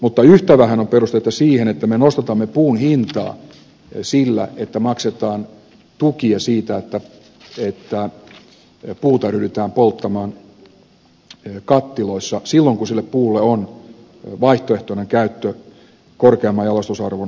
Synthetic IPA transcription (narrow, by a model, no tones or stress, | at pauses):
mut̪ːɑyht̪æʋæhænomperust̪et̪ːɑsiːhenet̪ːæmenost̪et̪ɑmːepuːnhint̪ɑ̰ː | silːæ̰et̪ːæmɑkset̪ɑːn | t̪ukiɑsiːt̪æet̪ːæ | et̪ːæ | puːt̪ɑryɾyt̪æːmpolt̪ːɑmɑːn | kɑt̪ːiloisːɑsilːoŋkusilːeppuːlːeon | ʋɑiht̪oeht̪oneŋkæyt̪ːø | korkeɑmːɑjɑlɑst̪usɑrʋun